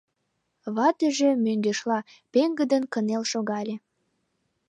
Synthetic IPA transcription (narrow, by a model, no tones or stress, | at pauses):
βɑt̪əʒemøŋɡeʃlɑ | peŋɡəd̪ənkənelʃoɣɑlʲĕ